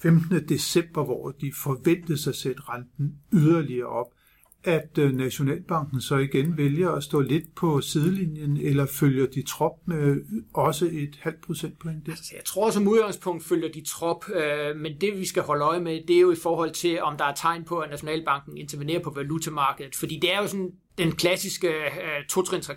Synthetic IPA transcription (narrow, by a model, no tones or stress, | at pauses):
femd̥nəd̥e̝semb̥ɐʋɒ̰d̥ifɒ̽ʋen̰d̥ð̩ˠsɑɪsed̥ʁɑnd̥n̩yðˠɐliɐːʔɒ̽b̥̚ | ʔæd̥næɕo̝nɛ̰ːlb̥ɑ̈ŋɡ̥n̩sɒ̽iɡ̥enʋeljɐæsd̥ɔ̰̽ːle̝d̥̚pʰɒ̽sið̞ˠəlinjənelɐføljɐd̥it͡sʰʁɒ̽b̥̚meɒ̽səe̝d̥hæl̰d̥̚pʰʁo̝sen̰d̥pʰɒ̽eŋd̥sjäɪt͡sʰʁo̝ɐɒsɒmuð̞ˠɡ̥ɑ̈ŋspʰɔ̽ŋ̰d̥føljɐd̥it͡sʰʁɒ̽b̥mend̥e̝ʋisɡ̥æhɒ̽ləɒ̽ɪmed̥e̝æɐjo̝ifɒːɦɒ̽l̰t͡sʰe̝lɒ̽md̥ɑ̈æɐt͡sʰɑ̈ɪ̰npʰɒ̽ænæɕo̝nɛ̰ːlb̥ɑ̈ŋ̰ɡ̥n̩e̝nt͡sʰɐʋine̝̰ːɐpʰɒ̽ʋælut͡sʰæmɑ̈ːɡ̥əðˠð̩ˠfɒ̽d̥ḭːd̥e̝æɐjo̝sɔ̽n | d̥enkʰlæsisɡ̥ət͡sʰo̝t͡sʰʁent͡sʰʁɑ